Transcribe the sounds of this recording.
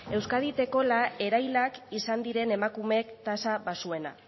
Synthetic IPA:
e̞wskað̞it̪e̞ko̞lae̞ɾajlakisand̪iɾe̞ne̞makume̞kt̪asaβasue̞na̰

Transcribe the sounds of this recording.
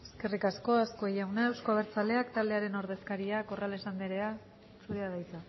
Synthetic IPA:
eske̞rikasko̞esko̞ejawnaewsko̞β̞e̞ɾt͡sale̞akt̪ald̪eaɾe̞no̞ɾðe̞skaɾiako̞ralesand̪eɾe̞a | suɾeaðajt͡sa

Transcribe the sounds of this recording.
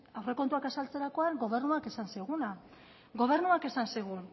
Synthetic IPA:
awre̞ko̞nt̪uakasalt͡se̞ɾako̞aŋɡo̞β̞e̞ɾnuake̞sanseɣ̞una | ɡo̞β̞e̞rnuake̞sanseɣ̞un

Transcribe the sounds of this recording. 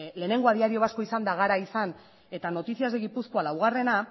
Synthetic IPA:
le̞ːne̞ŋɡo̞aðiaɾio̞βasko̞isand̪aɣaɾaisan | e̞t̪ano̞t̪isiazðeɣipuskoalawɣ̞are̞na

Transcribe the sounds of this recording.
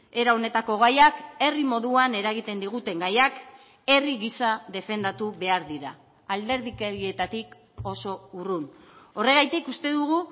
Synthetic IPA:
e̞ɾao̞ne̞t̪ako̞ɣ̞ajake̞rimo̞ðuane̞ɾaɣ̞it̪e̞nd̪iɣut̪e̞ŋɡajak | e̞riɣisaðe̞fe̞nd̪at̪uβe̞aɾðiɾaː | ld̪e̞ɾðikeɾie̞t̪at̪ik | o̞so̞uruno̞re̞ɣ̞ajt̪ikust̪e̞ðuɣ̞u

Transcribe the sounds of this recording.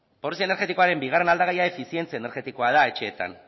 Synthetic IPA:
po̞lisiaeneɾɣe̞t̪iko̞aɾe̞mbiɣ̞are̞nald̪aɣajae̞fisje̞nt͡seaeneɾɣe̞t̪ikoaðae̞t͡ʃe̞ːt̪a̰n

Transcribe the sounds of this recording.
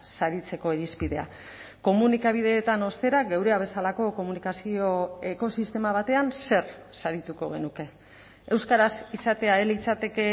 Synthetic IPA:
saɾit͡se̞ko̞eɾispið̞e̞a̰ | ko̞munikaβ̞ið̞e̞ːt̪ano̞st̪e̞ɾaɡewɾe̞aβ̞e̞salako̞ko̞munikasio̞e̞ko̞sist̪e̞maβ̞at̪e̞anse̞ɾsaɾit̪uko̞ɣe̞̰nuke̞ | ewskaɾasisat̪e̞aelit͡sat̪e̞ke̞

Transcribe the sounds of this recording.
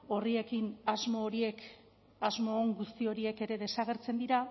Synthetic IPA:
o̞rie̞kinazmoːɾie̞k | azmo̞ːŋɡust̪io̞ɾie̞ke̞ɾe̞ðe̞saɣ̞e̞ɾt͡se̞nd̪iɾa

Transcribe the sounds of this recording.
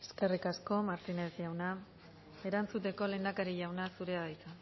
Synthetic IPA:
e̥ske̞rikasko̞maɾt̪ine̞zʝawna | e̞ɾant͡sut̪e̞ko̞le̞nd̪akaɾiʎawnasuɾe̞aðajt͡sa

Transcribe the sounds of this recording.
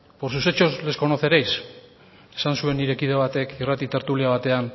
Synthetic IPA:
poɾsuse̞t͡ʃo̞zle̞sko̞noθe̞ɾejs | e̥sansue̞nːiɾe̞kiðe̞βat̪e̞kirat̪it̪e̞ɾt̪uliaβ̞at̪e̞an

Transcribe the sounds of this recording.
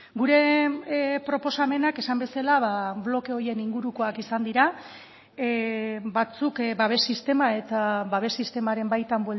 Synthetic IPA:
ɡuɾe̞ | pɾo̞po̞same̞nake̞sambe̞salaβablo̞keo̞je̞niŋɡuɾuko̞akisand̪iɾa | bat͡sukbaβ̞e̞sist̪e̞mae̞t̪aβaβ̞e̞sist̪e̞maɾe̞mbajt̪ambwel

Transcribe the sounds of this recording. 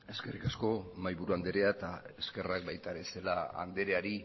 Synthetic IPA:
e̞ske̞rikasko̞majβuɾuand̪eɾe̞aet̪ae̞ske̞rak̚bajt̪aɾe̞se̞laa̰nd̪e̞ɾe̞aɾi

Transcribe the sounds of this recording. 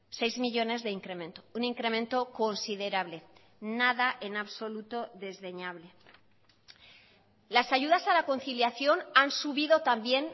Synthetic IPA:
se̞jzmiʎo̞ne̞zðe̞iŋkɾe̞mẽ̞nt̪ouniŋkɾe̞mẽ̞nt̪o̞ko̞nsiðe̞ɾaβle̞ | naðaʔe̞naβso̞lut̪o̞ðe̞zðe̞ɲaβle̞ | lasaʝuðasalako̞nθiljaθjo̞nansuβiðo̞t̪ambje̞n

